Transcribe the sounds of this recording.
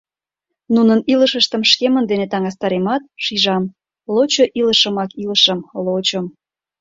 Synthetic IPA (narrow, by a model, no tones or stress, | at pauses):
nunəniləʃəʃt̪əmʃkemənd̪enet̪ɑŋɑs̬t̪ɑɾemɑt̪̚ʃiʒɑm | lot͡ɕoʔiləʃə̆mɑkiləʃəmlot͡ɕə̆m